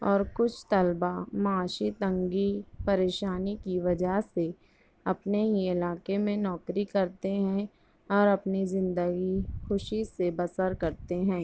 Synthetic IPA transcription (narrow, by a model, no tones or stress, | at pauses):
ɔːɾkʊt͡ʃʰt̪ɐlbamaːʃit̪ɐ̃ŋɡipɐɾeːʃaːnikiʋɐd͡ʒəɦse | ɐpneɦiɪlaːkemẽnɔːkɾikɐɾt̪eɦɛ̃ | ɔːɾɐpnizɪ̃nd̪əɡixʊʃisebɐsəɾkɐɾt̪eɦɛ̃ː